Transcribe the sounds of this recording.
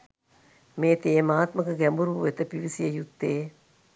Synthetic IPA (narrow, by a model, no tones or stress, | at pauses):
meːt̪eːmaːt̪məkəɡɛmbuɾuʋuʋet̪əpiʋisijəjut̪ːeː